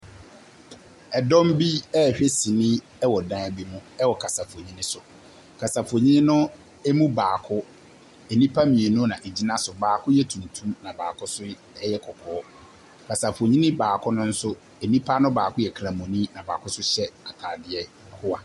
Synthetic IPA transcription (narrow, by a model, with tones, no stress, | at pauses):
ɛ˨dɔ̃˦m˦bi˦ɛ˦˨ɕᶣɛ˦sĩ˨nĩ˦ | ɛ˦wɔ˨dã˦˨bi˦mʊ̃˦ɛ˦wɔ˨kʰa˨sa˨fo˨ɲĩ˦nɪ̃˦sʊ˨ | kʰa˨sa˨fo˨ɲĩ˦nɪ̃˦nʊ̃˦ | ɛ˦mũ˦baː˨kʰʊ˦ | ɛ˨nĩ˦pʰa˦mĩ˨e˨nũ˦nã˨ʔe˨d͡ʑi˦nã˦sʊ˨baː˨kʰʊ˦jɛ˦tʰũ˨ntʰũ˦mnã˨baː˨kʰʊ˦sʊ˦ | ɛ˦jɛ˦kʰɔ˨kʰɔː˨˦ | kʰa˨sa˨fo˨ɲĩ˦nɪ̃˦baː˨kʰʊ˦nʊ̃˦n̩˦sʊ˦ | ɛ˨nĩ˦pʰa˦nʊ̃˦baː˨kʊ˦jɛ˨kʰɾa˨mɔ̃˨nĩ˦nã˨ba̰ː˨kʰʊ˦sʊ˦ɕɛ˦a˨tʰaː˨dɪ˨ɛ˦˨ | hʊ˦a˨